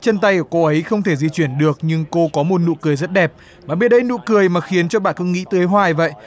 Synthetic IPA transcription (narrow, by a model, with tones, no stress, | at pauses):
t͡ɕə˧nt̪a˧jʔəː˧˩ko˧ʔə˨˦jxə˧wŋ͡mt̪ʰe˧˩zi˧t͡ɕwi˧˩ənɗɨ˨˩ək̚ɲɨ˧ŋko˧kɔ˨˦mo˨˩t̚nṵ˧˨kɨ˨˩əjzə˦˥t̚ɗɛ˨˩p̚ | maː˨˩ɓe˧˩n̚ɗə˧jnṵ˧˨kɨ˨˩əjmaː˨˩xi˨˦ənt͡ɕɔ˧ɓaː˧˨nkɨ˧˦ŋḭ˧˥t̪ɨː˨˦jɦwaː˨˩jvə̰˧˨jʔ